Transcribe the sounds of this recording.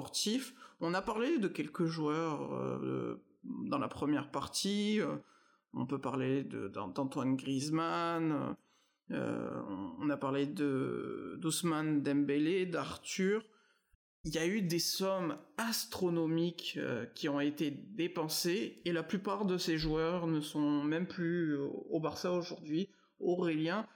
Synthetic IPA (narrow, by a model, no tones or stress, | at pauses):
ɔʁt̪ifɔ̃napaʁled̪əkʲɛlkəʒuœʁø̰ | d̪ɑ̃la̰pχəmjɛʁpaʁt̪iø | ɔ̰̃pøpaʁled̪ə̰d̪ɑ̰̃d̪ɑ̃t̪wanɡʁizmanø̰ | ø̰ɔ̰̃ːnapaʁled̪əd̪ɔsmand̪ɛ̃mbeled̪aʁt̪yʁ | iljayd̪esɔmast̪χɔnɔmikø̰kʲːiɔ̃et̪ed̪epɑ̃seelaplypaʁd̪əseʒwœʁnəsɔ̃mɛmplyobaʁsaoʒuʁd̪ɥi | ɔʁeljɛ̃